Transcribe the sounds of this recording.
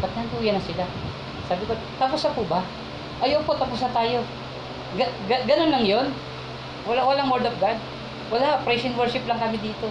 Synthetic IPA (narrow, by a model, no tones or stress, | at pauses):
bɐt̪̚nɐɐk̪uːjɐnɐsɪla | saːbɪko | t̪ɐpʊsɐpʊbɐ | ʔɐjoʔpot̪ɐpʊsnɐt̪aːjo̞ | ɡɐɡɐɡɐnonlɐŋjo̞n | wɐlawɐlaŋwɛɹd̪ofɡad̪̚ | wɐlapɾɛjsɪnwɛɹʃɪplɐŋkɐmɪd̪iːt̪o̞